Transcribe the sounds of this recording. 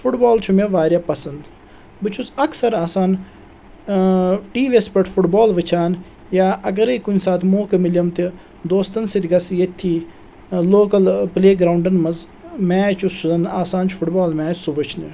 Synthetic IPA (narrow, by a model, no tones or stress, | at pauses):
fuʈbaːlt͡ʃʰumeʋaːɾʲjaːpɐsɐnd̪ | bɨt͡ʃʰuzɐksɐɾaːsaːn | ʈiːʋiespɐʈʰfuʈbaːlʋɨt͡ʃʰaːn | jaːʔɐɡɐɾɐkunʲsaːt̪ʰmoːkemilʲɐmt̪i | d̪oːst̪ɐnsit̪ɡɐsjet̪ʰːiː | loːkɐlpleːɡɾaːwuɳɖɐnmɐz | mɛːt͡ʃʰusuzɐnaːsaːnt͡ʃʰu̥fuʈbaːlmʲɛːsuʋɐt͡ʃʰni